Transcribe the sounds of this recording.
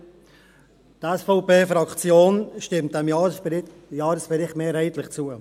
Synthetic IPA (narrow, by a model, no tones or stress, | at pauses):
tɛsfɔʊpeːfɾɑkt͡sjoːnʃtɪmt̚dɛmj | jɑːɾəsb̥ɛɾɪχtmeːɾɛɪt̪lɪχt͡suə